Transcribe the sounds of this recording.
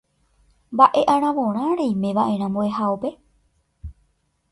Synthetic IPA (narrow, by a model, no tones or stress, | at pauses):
mbaʔe̞ʔãɾ̃ãʋõɾ̃ãɾejmẽ̞ʋaʔẽ̞ɾ̃ãmboeɦaope̞